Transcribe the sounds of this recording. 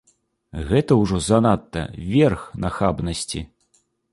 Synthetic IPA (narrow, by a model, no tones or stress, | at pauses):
ɣɛt̪ɐwʐɔzɐnat̪ːɐ̰vʲɛrxnɐxabnɐsʲt͡sʲḭ